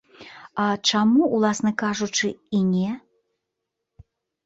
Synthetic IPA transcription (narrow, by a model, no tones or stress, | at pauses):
ɐt͡ʂamuwlˠasnɐkaʐut͡ʂɨinʲɛ